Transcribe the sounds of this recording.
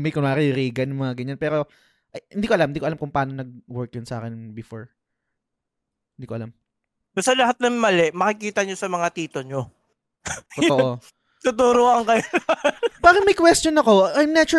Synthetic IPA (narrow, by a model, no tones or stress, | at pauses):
mɐjkʊnaːɾɐjɾiːɡɐnʊŋmɐŋaɡɐɲanpɛːɾo̞ | ʔɐjhɪnd̪iːkoɐlamhɪd̪iːkoɐlamkʊŋpaːnonɐɡ̚wɛɹk̚jʊnsɐʔa̰ːkɛnbɪfoɹ | hɪnd̪iːkoɐlam | bɐst̪ɐlɐɦat̪̚nɐŋmɐlɛʔmɐkɪkiːt̪ɐɲosɐmɐŋat̪iːt̪oɲo | ot̪oʔʔo | t̪ʊt̪uːɾoɐŋkɐj | paːkɐmɐjkwɛst̪onɐko̞ajmnɛt͡ʃʊ